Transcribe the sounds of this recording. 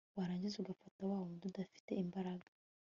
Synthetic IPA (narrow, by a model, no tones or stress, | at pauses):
waɾaːɲɟizeuɡafatawaːβodudafi̥te̞imbaɾaɡḁ